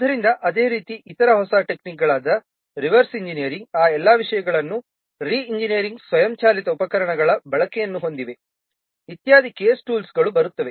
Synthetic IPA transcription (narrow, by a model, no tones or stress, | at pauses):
d̪ɐɾind̪ɐʔɐd̪e̞ːɾiːt̪iʔit̪ɐɾɐɦɔsaːʈe̞knik̚ɡɐɭaːd̪ɐ | ɾiʋɐɾsiɲd͡ʒinijɐɾiŋɡaːɛlːaːʋiʂɐjɐɡɐɭɐnːu | ɾiːɲd͡ʒinijɐɾiŋɡsʋɐjɐmt͡ʃaːlit̪ɐupɐkɐɾɐɳɐɡɐɭɐbɐɭɐkɛjɐnːuɦo̞nd̪iʋe̞ | it̪jaːd̪ʱikɛjesʈuːlsɡɐɭubɐɾut̪ːɐʋe